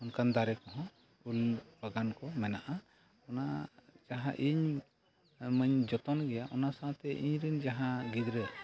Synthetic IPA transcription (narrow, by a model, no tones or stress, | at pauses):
ɔnkand̪aɾɛkɔɦɔ̃ | ulbəɡankɔmɛnaʔa | ɔnad͡ʒaɦãʔiɲ | məɲd͡ʒɔt̪ɔnɡɛjaʔɔnasaãt̪ɛʔiɲɾind͡ʒaɦãɡid̪ɾɛ